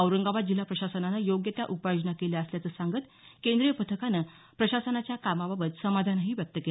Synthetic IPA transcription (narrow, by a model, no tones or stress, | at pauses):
əwɾəŋɡaʋat̪̚d͡ʑilapɾəɕasənanajoɡjət̪ja̰ʔupajod͡ʑnakeljaəsljat͡səːsaŋɡət̪ | kend̪ɾijəpət̪ʰəkanə | pɾəɕasənat͡ɕjakamababət̪səmad̪ʱanɦiːʋjək̚t̪əkel